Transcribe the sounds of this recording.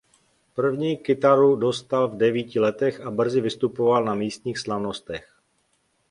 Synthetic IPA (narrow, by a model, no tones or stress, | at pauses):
pr̩vɲiːkɪt̪aɾudo̞st̪alvdɛviːcɪlɛt̪ɛxʔabr̩zɪvɪst̪upovalnamiːst̪ɲiːxslavno̞st̪ɛx